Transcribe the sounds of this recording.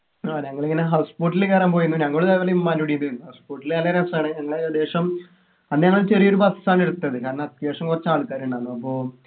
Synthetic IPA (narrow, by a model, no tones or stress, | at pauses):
oːɲɐŋːɐɭeŋːɐneɦɐwspoʈːilekːaːrɐːmpoːjunːuɲɐŋːɐɭoɭðaiʋɐlːɐjummɐnuɽijunːuinːuhɐspoːʈːilɐlɐɾɐsaːɳɨɲɐŋːɐɭed̪eːʂɐm | ɐðɨɲɐŋːɐɭt͡ɕerijo̞ɾubasɐ̥saːɳeɾut̪ːɐðɨkaːɾɐnːɐt̪jaːʂɐmkurɐt͡ɕːaːɭkaːɾuɳɖaːɳuɐpːo̞ː